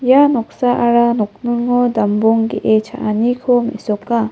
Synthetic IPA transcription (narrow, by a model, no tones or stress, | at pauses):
janɔk̚saʔaɾanɔk̚nɯŋɔdambɔŋɡeʔet͡ʃʰa̰ʔanikʰɔmḛsɔkːa